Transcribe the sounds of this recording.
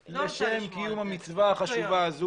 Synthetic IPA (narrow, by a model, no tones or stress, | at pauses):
leʃe̞mkijumhamit͡svaaχaʃuvaːzu